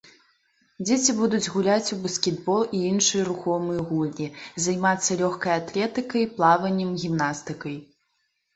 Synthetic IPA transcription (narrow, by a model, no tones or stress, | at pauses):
d͡zʲet͡sʲibud̪ud͡zʲɣulʲat͡sʲubɐskʲɛd̪bɔlˠiinʂɨjɐɾuxɔmɨjɐɣulʲnʲizajmat̪sːɐlʲɔxkɐjat̪lʲɛt̪ɨkɐjplˠavɐnʲːɛmɣʲimnast̪ɨkɐj